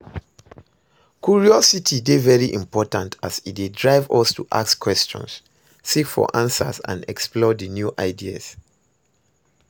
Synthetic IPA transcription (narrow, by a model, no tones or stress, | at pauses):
kʰjuɹiɔsitʰidevɛɹiʔĩmpɔtãntʰazit̚dedɹaɪvɔstuʔa̰kskʰwɛst͡ʃɔ̰̃ns | sikfɔ̰ʔãnsə̰sã̰ndɛksplɔdənjuʔaɪdia̰s